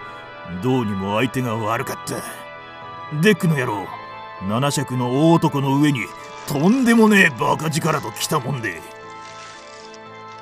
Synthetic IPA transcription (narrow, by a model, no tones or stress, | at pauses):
d̪o̞ːɲ̟imo̞ait̪e̞ŋaβaɾɯ̟kat̪ːa | d̪e̞kːɯ̟no̞jaɾoː | nanaɕakɯ̟no̞oːt̪o̞kɯno̞ɯ̟e̞ɲ̟i | t̪ʰõ̞nd̪e̞mo̞ne̞bakad͡ʑikaɾat̪o̞kʲi̥t̪amõ̞nd̪ḛ